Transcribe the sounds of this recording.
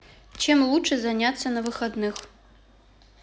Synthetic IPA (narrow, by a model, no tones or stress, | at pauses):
t͡ʃʰemlˠuʈ͡ʂʰɨzanʲat͡sːɐnɐvɨxɐd̪nɨx